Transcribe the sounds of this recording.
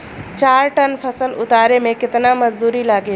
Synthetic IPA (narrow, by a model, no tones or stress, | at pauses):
t͡ʃaːɾʈənpʰəsəlʊt̪aːɾemẽkɪt̪naməd͡ʒd̪uːɾilaːɡe